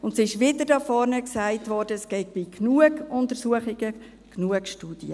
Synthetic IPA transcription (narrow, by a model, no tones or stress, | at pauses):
ʊntsiɪʃʋɪd̪əɾdɑfɔɾnəksæɪtʋɔrd̥əsɡ̥ɛɪk̚b̥iknuəɡʊnt̪əɾsuəχɪɡə | knuəkʃtuːd̥iə